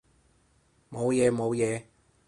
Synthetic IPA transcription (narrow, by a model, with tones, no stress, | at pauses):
mo˨˧wjɛː˨˧mo˨˧wjɛː˨˧